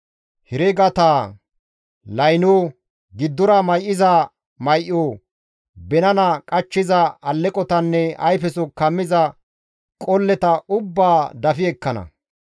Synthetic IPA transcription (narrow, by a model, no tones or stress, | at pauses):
hɛɾɛɡɐt̪aː | lɐjnoː | ɡɪd̪ːʊɾɐmɐjʔɪzɐ | mɐjʔoː | bɛnɐnɐkʼɐt͡ʃːɪzɐːlːɛkʼɔt̪ɐnːɛɐjfɛsʊkɐmːɪzɐ | kʼɔlːɛt̪ɐʊbːaːd̪ɐfɪɛkːɐnɐ̰